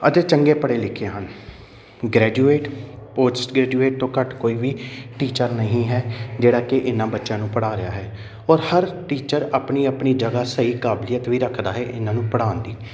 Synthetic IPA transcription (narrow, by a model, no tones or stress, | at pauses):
əd͡ʒ̪eːt͡ʃəŋɡeːpəɽeːlɪkʰːeːɦən | ɡɾɛːd͡ʒuːeːʈpoːd͡ʒɪsʈɡɾɛːd͡ʒuːeːʈ̚t̪õːkəʈkoːiːʋiːʈiːt͡ʃəɾnəɦĩːɦɛːd͡ʒeːɽaːkɪʔɪnːãːbətːʃjãːnũːpəɽaːɾɪjaːɦɛː | ɔːɾhəɾʈiːt͡ʃəɾaːpniːəpniːd͡ʒəɡaːsəiːkaːblijət̪ʋiːɾəkʰd̪aːɦɛːʔɪnãːnũːpəɽãːnd̪iː